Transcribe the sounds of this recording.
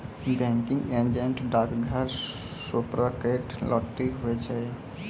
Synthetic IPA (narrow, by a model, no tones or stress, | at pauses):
bɛ̃ŋkiŋɡẽnd͡ʒẽnʈɖabiɡʱəɾ | supɾakeʈlɔʈːikɦoet͡ʃʰɛ